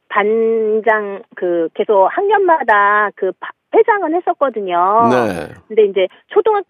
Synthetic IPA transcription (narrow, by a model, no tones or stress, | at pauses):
pand͡ʑaŋkɯk͈ːe̞sʰok̚haŋɡjʌnmadakɯpped͡ʑaŋɯnhe̞s͈ʌt̚k͈ʌdɯɲonḛkkɯnde̞ind͡ʑe̞ | t͡ɕʰodoŋa